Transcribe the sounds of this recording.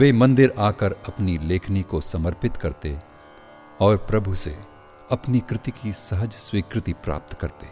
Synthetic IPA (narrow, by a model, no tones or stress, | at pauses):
ʋeːmɐ̃nd̪ɪɾaːkəɾɐpnileːkʰnikosɐməɾpɪt̪kɐɾt̪e | ɔːɾpɾɐbʱuse | ɐpnikɾɪt̪ikisɐɦəd͡ʒswiːkɾɪt̪ipɾa̰ːp̚t̪kɐɾt̪eː